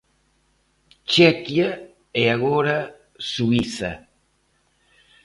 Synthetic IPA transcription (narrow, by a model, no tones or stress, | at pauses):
t͡ʃɛkja | eaɣoɾa | suiθa̰